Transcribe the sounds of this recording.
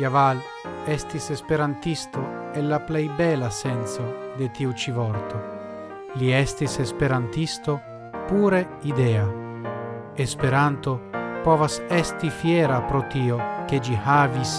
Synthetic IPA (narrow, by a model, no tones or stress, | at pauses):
javal | ɛst̪isespeɾant̪ist̪o | elːaplɛjbɛlasɛnt̪sod̪et̪iut͡ʃivɔɾt̪o | liɛst̪isespeɾant̪ist̪o | puːɾe | id̪ɛa | espeɾant̪opɔvasɛst̪ifjɛːɾapɾot̪iːok̟ed͡ʒihaːvis